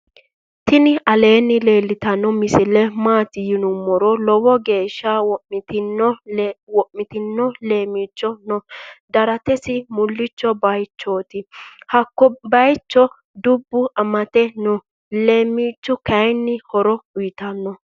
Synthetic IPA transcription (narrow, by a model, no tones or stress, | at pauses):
t̪ɪnɪɐle̞ːnːɪle̞ːlːɪt̪ɐnːɔmɪsɪlɛmaːt̪ɪjɪnʊmːɔɾɔlɔwɔɡe̞ːʃːawɔɪt̪ɪnːɔwɔʔmɪt̪ɪnːɔle̞ːmiːt͡ʃːɔnɔd̪ɐɾɐt̪ɛsɪmʊlːɪt͡ʃːɔbɐjt͡ʃːoːt̪ɪhɐkːɔbɐjt͡ʃːɔ | d̪ʊbːʊɐmɐt̪ɛnɔ | leːmiːt͡ʃːɔkɐjnːɪhɔɾɔʊjɪt̪ɐnːɔ